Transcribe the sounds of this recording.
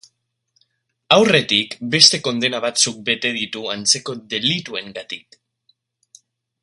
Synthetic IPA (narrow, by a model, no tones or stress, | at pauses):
awre̞t̪ikbe̞st̪e̞ko̞nd̪e̞naβ̞at͡suk̚be̞t̪e̞ðit̪uant͡se̞ko̞ðe̞lit̪ue̞ŋɡat̪ik